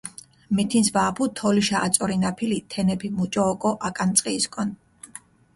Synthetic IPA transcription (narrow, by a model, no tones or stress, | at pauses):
mɛt̪ʰinsvaːpʰut̪ʰɔliʃaʔat̪sʼɔɾinapʰilit̪ʰɛnɛpʰimut͡ʃʼɔːkʼɔʔakʼant̪sʼqʼiːskʼɔn